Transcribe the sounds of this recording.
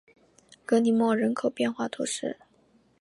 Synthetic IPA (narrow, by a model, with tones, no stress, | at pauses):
kɤ˧˥ni˨˩˦mwɔ˥˩ɻə˧˥nkʰo˨˩ʊpjɛ˥˧nxwa˥˩t̪ʰɔ̰˧˥ʂɻ̩˥˩